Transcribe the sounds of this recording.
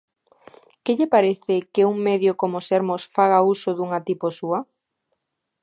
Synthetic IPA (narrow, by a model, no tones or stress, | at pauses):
kɪʎepaɾeθɪkeuŋmeðjokomoseɾmosfaɣ̞ausoðuŋat̪iposuɐ